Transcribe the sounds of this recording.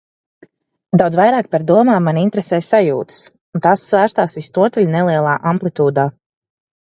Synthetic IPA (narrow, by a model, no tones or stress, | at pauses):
d̪awd̪zvajɾaːk̚paɾd̪uɔmaːmːanint̪ɾɛsɛːjsajṵːt̪ə̥s | unt̪asːvæːɾst̪aːsvist̪uɔt̪ɛlʲnɛlˠiɛlˠaːʔamplˠit̪uːd̪aː